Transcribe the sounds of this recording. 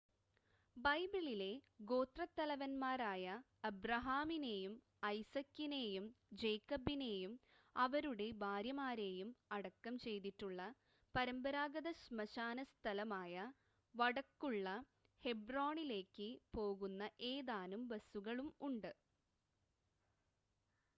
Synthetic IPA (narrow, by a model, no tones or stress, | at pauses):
bɐjbiɭile̞ɡo̞ːt̪rɐt̪ːɐlɐʋɐnmaːɾaːjɐ | ɐbrɐɦaːmine̞ːjum | ɐjsɐkːine̞ːjumd͡ʑejkːɐbine̞ːjum | ɐʋɐɾuɽe̞bʱaːɾjɐmaːɾe̞ːjumɐɽɐkːɐmt͡ɕe̞jt̪iʈːuɭːɐ | pɐɾɐmbɐɾaːɡɐðɐɕmɐɕaːnɐst̪ʰɐlɐmaːjɐ | ʋɐɽɐkːuɭːɐ | he̞broːɳile̞ːkːɨpo̞ːɣunːɐʔe̞ːðaːnumbɐsuɣɐɭumuɳɖɨ